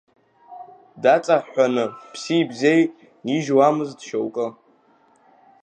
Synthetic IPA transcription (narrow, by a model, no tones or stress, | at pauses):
dat͡sʼaħʷanɨpʰsiːbzejʼ | iʒwamɨzdʃowkʼɨ